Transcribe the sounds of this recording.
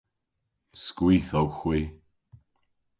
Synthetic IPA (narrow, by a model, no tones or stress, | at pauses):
skwiːθowxwiː